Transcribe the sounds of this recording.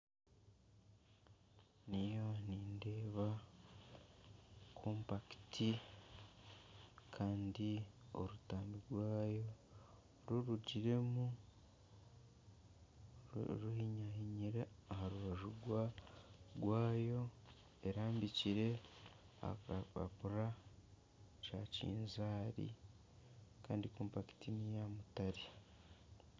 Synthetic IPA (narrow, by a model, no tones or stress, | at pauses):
nijo̞niːnde̞ːβa | kʰoːmpaki̥ti | kʰaːndio̰ɾutaːmbiɾwaːjo | ɾuɾuɟiɾe̞mu | ɾuhiɲahiɲiɾeaɦaɾuβaʒuɡwa | ɡwaːjo̞ | eɾaːmbiciɾe̞ | a̰a̰puɾa | t͡ʃacḭːnzaːɾḭ | kaːndikuːmpaki̥tinijamutaɾi